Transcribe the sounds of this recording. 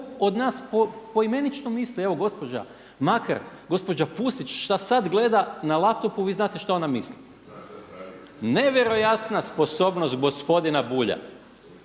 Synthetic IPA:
od̪naːspopo̞ime̞nit͡ʃnomislie̞ʋo̞ɡo̞spo̞d͡ʒa̰ | maka̰ɾɡo̞spo̞d͡ʒapusit͡ʃʃt̪asad̪ɡle̞d̪analap̚t̪o̞puʋiːznaːt̪eʃt̪aonamisli | ne̞ʋje̞ɾo̞jat̪naspo̞so̞ːbno̞st̪̚ɡo̞spo̞d̪inabuːʎa̰

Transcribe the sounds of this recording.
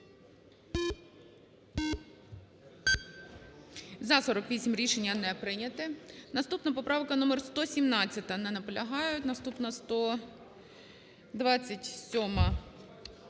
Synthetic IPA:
zɐsɔɾɔkʋʲisʲimɾʲiʃenʲːɐnɛpɾɪnʲɐt̪ɪnɐst̪upnɐpɔpɾɑʋkɐnɔmerst̪ɔsʲimnɑt͡sʲːɐt̪ɐnɛnɐpɔlʲɐɦɑjʊtʲnɐst̪upnɐst̪ɔ | d̪ʋɑt͡sʲːɐtʲsʲɔmɐ

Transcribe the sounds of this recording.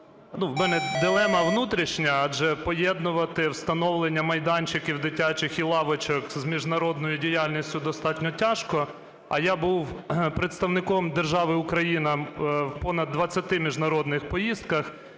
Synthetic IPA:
nuwmɛnɛd̪ɪlˠɛmɐʋnut̪ɾʲiʃnʲɐɐd͡ʒɛpɔjɛd̪nʊʋɐt̪ɪwst̪ɐnɔwlˠenʲːɐmɐjd̪ɑnʲt͡ʃɪkʲiwd̪ɪtʲat͡ʃɪxilˠɑʋɔt͡ʃɔkzmʲiʒnɐɾɔd̪nɔjʊdʲijalʲnʲisʲtʲʊd̪ɔst̪ɑtʲnʲɔtʲaʃkɔ | ɐ̰jabuwpɾet̪st̪ɐwnɪkɔmd̪erʒɑʋɪʊkɾɐjinɐwpɔnɐd̪ːʋɐt͡sʲːɐt̪ɪmʲiʒnɐɾɔd̪nɪxpɔjist̪̚kɐx

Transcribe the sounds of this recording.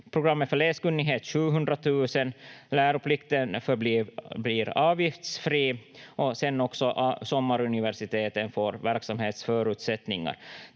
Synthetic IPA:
pʰɾʊɡɾamːət̪fœɭeːskɵnːɪɡɦeːt̪ɕʉ̟ːɦɵnd̪ɾat̪ʰʉ̟ːsənlæːɾʊpʰlɪkt̪ənfœbbliːɾɑːvjɪft̪sfɾiːʔɔsɛnːɔksɔʔsɔmːaɾɵnɪvæʂɪt̪ʰeːt̪ənfoːɾvæɾksamheːt̪sfœːɾʉ̟ːt̪sɛt̪nɪŋːa̰ɾ

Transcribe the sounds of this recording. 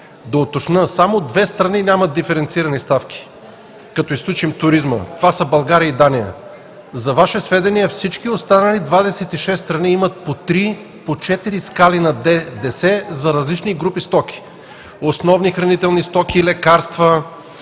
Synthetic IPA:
d̪ɐot̪ot͡ʃnəsamod̪vɛst̪ɾɐninʲamɐd̪ifɛɾɛnt̪siɾɐnist̪afkʲi̥ | kɐt̪ɔisklʲut͡ʃimt̪ʊɾizmə̰t̪ovasəbɐlˠɡaɾiəid̪anijə̰ | zɐvaʃɛsvɛd̪ɐniɛfsit͡ʃkiost̪anəlid̪vad̪ɛsɛt̪iʃɛsːt̪ɾɐniimɐt̪̚pot̪ɾi | pot͡ʃɛt̪iɾiskalinɐd̪ɛsɛzɐɾɐzlit͡ʃniɡɾupist̪ɔk̟i̥ | osnɔvnixɾɐnit̪ɛlˠnist̪ɔkiːlɛkaɾst̪və

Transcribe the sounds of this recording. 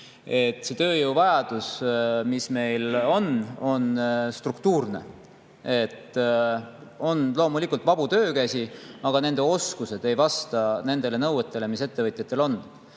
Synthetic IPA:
e̞t̪ːˑse̞t̪ø̞ːjɤwvɑjɑd̪̥usmisme̞jlo̞no̞nst̪rukt̪uːrne̞̰ | e̞t̪ːˑ | o̞nlo̞ːmulikult̪vɑb̥ut̪øːkæsiɑɡ̥ɑne̞nd̪̥e̞o̞skuse̞d̪̥e̞jvɑst̪ɑne̞nd̪̥e̞le̞nɤwet̪ːˑe̞le̞mise̞t̪ːe̞vɤjt̪ʲˑjɑt̪ːˑe̞lo̞nː

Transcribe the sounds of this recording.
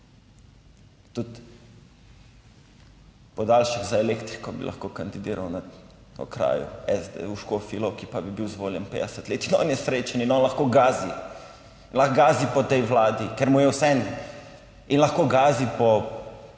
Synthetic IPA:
t̪ut̪ | pɔd̪aːlʃiɣzaɛleːkt̪ɾikɔbḭlʔa̰xkoːkand̪id̪iːɾawnaɔ̰kɾa̰ːjṵɛzd̪ḛuʃkofilɔwkipabibiwzʋoːljɛ̰npḛːd̪ɛsɛt̪leːt̪inɔ̰ːnjɛsɾeːt͡ʃaninɔːnlɐxkoːɡaːzi | inlaxɡaːzipɔt̪ɛjʋlaːd̪ikeɾmujɛwsɛn | inlaxkoːɡaːzipɔ

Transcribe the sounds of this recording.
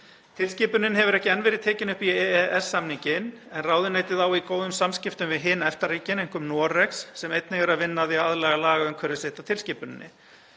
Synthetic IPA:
t̪ʰɪlsciːpʏnɪnɦɛvʏɾɛhcɪɛnːvɛːɾɪðt̪ʰeːcɪnʏhpiɛɛɛsːamniɲcɪn | ɛnraːwðʏneːjt̪ɪðawikoːwðʏmsamscɪft̪ʏmvɪðɦɪːnɛft̪aɾiːcɪnejŋ̥kʏmnɔːɾɛksːɛmejt̪nɪɣɛɾaðvɪnːaðiaðlɛːɣalaːɣaʏmkʰvɛɾðʏseht̪at̪ʰɪlsciːpʏnɪ̰nːɪ̰

